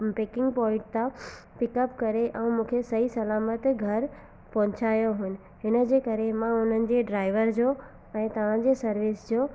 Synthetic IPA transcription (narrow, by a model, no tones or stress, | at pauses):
pekɪ̃ŋɡpɔːɪ̃ʈ̚t̪ã | pɪkəpkɐɾeʔɛ̃ːmũːkʰesɐisɐlaːmət̪ɡʱɐɾ | pɐɦʊ̃t͡ɕaːjoɦʊnɪ̆ | ɦɪnə̆d͡ʑeːkɐɾemãʊn̤ənɪ̆d͡ʑeːɖɾaːɪʋəɾd͡ʑoː | ɛ̃ːt̪ɐʋ̤ãd͡ʑeːsɐɾʋɪsd͡ʑoː